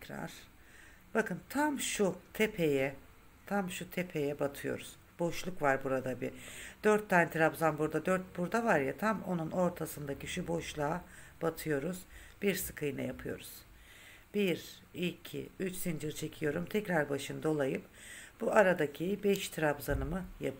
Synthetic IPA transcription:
ɾa̰ɾ̥ | b̥akʰɯnt̪ʰamʃut̪ʰɛpʰejɛ | t̪ʰamʃut̪ʰepʰejɛbat̪ʰɯjo̞̰ɾuz̥ | bo̞ʃlˠukvaɾbuɾad̪abid̪̥øɾt̪ʰːanɛt̪ʰɾabzanbuɾd̪ad̪øɾt̪̚buɾd̪avaɾjat̪ʰamo̞̰nuno̞ɾt̪ʰasɯnd̪acʰiʃubo̞ʃlˠaːb̥at̪ʰɯjo̞ɾuz̥b̥iɾsɯ̥kʰɯjna̰japʰɯjo̞̰ɾuz̥ | b̥iɾ | ilʲcʰḭyt͡ʃsind͡ʒɯɾt͡ʃʰe̞cʰijo̞ɾumt̪ʰɛcɾaɾbaʃɯnd̪o̞lˠajɯpb̥uaɾad̪acʰibɛʃt̪ʰɾabzanɯmɯjap

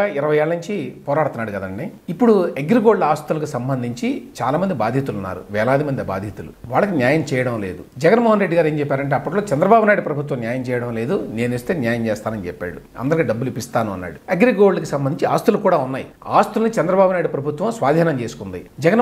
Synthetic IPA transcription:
aiɾɐʋɐjeːɭɐnuɲt͡ʃipɔːɾaːɽt̪unːaːɽukɐd̪ɐɳiipːuɽueɡɾiɡo̞ːɽlɐaːst̪ulɐk̬usɐmbɐnd̪ʱiɲt͡ʃit͡ʃaːlaːmɐnd̪ibaːd̪ʱjit̪ulunːa̰ːɾṵʋɛːlaːd̪imɐnd̪iba̰ːd̪ʱjit̪ulṵʋaːɭːɐkinjaːjɐmt͡ʃɛːjɐɽɐmle̞ːd̪ud͡ʒɛɡɐnmɔːɦɐnɾeɖːiɡaːɾeːɲt͡ʃɛpːaːɾɐɳʈ̬eːɐpːɐʈlo̞ːt͡ʃɛnd̪ɾɐbaːbʱunaːjɽupɾɐbʱut̪ʋɐmnjaːjɐmt͡ʃɛːjɐɽɐmle̞ːd̪une̞ːnist̪e̞ːnjaːjɐmt͡ʃɛːst̪aːnɐnit͡ʃɛpːa̰ːɽu | ɐ̰nd̪ɐɾikiɖɐbːulipist̪aːnuɐ̰nːa̰ːɽueɡɾiɡo̞ːɽlɐkisɐmbɐniɲt͡ʃia̰ːst̪ulukuːɽaːunːaːji | aːst̪ulɐnit͡ʃɛnd̪ɾɐbaːbunaːjiɽupɾɐbʱut̪ʋɐ̃msʋaːd̪ʱiːnɐmt͡ʃe̞ːsukund̪id͡ʒɛɡɐn

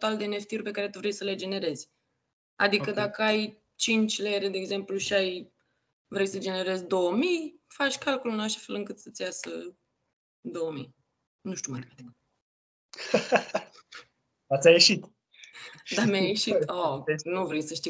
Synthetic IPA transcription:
t̪ald̪e̞ne̞ft̪iurʲpe̞kaɾe̞t̪uvɾejsəle̞d͡ʒe̞ne̞ɾe̞zʲ | a̰d̪ikəd̪akəaj | t͡ʃint͡ʃʲleɾed̪e̞ːɡze̞mpluʃiaj | vɾejsəd͡ʒe̞ne̞ɾe̞zʲd̪o̞wəmij | fat͡ʃʲkalkulɨnalʃḁfe̞lɨŋkɨt̪sət̪sʲjasə | d̪o̞wəmḭj | nuʃt̪iumat̪at̪ik | at̪sʲajeʃit̪ | d̪amjajeʃit̪onuvɾejsəʃt̪i

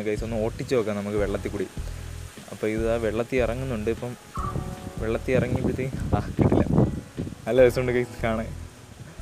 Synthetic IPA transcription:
kɐjsonːɨmo̞ːʈːit͡ɕːɨoːkːaːnɐmukːɨʋe̞ɭːɐt̪ːikːuːɽi | ɐ̰pːo̞ːiðɨaːʋeɭːɐt̪ːiirɐŋːunːuɳɖɨipːɐm | ʋeɭːɐt̪ːiirɐŋːipːit̪ːiakːḭʈːḭlːɐ̰ | ɐlːoːesuɳɖɨkɐjskaːɳe

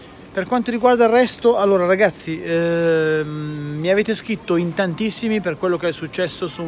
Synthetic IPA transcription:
perkwant̪oɾiɡward̪airːɛst̪oalːoːɾaɾaɡat̪sːi | miaveːt̪eskɾit̪ːoint̪ant̪isːimiperkwelːokeɛsːut͡ʃːɛsːosu

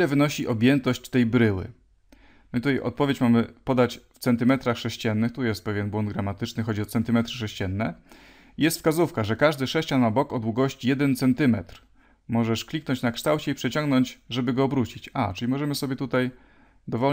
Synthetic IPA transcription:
lɛvɘnɔɕiʔɔbʲjɛnt̪ɔɕt͡ɕt̪ɛjbɾɘwɘ̰ | mɘt̪ut̪ajʔɔ̰t̪̚pɔvʲjet͡ɕmamɘpɔd̪at͡ɕft̪sɛnt̪ɘmɛt̪ɾaxʂɛɕt͡ɕɛnːɘxt̪ujɛst̪̚pɛvʲjɛnbwɔnd̪ɡɾamat̪ɘt͡ʂnɘxɔd͡ʑiɔt̪sɛnt̪ɘmɛt̪ɾɘʂɛɕt͡ɕɛnːɛ | ijɛst̪fskazufkaʐɛkaʐd̪ɘʂɛɕt͡ɕanmabɔkɔd̪wuɡɔɕt͡ɕijɛd̪ɛnt̪sɛnt̪ɘmɛ̰t̪ɾ | mɔʐɛʂklʲiknɔɲt͡ɕnakʂt̪awt͡ɕɛipʂɛt͡ɕɔ̃ŋɡnɔɲt͡ɕʐɛbɘɡɔːbɾut͡ɕit͡ɕat͡ʂɘlʲimɔʐɛmɘsɔbʲjɛt̪ut̪aj | d̪ɔvɔ

